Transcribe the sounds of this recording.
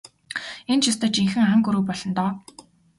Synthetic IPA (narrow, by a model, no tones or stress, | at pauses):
ent͡ɕʰist̪əːt͡ɕiŋxɘ̆ŋăŋɡuɾŭːpɔɮɞ̆nt̪ɔː